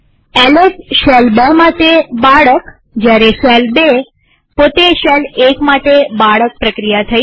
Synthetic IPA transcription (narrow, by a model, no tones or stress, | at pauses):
ɛlesʃɛlbemaʈebaɭək | d͡ʒjaɾeʃɛlbe | pot̪eʃɛlekmaʈebaɭək̚pɾəkɾijat̪ʰəi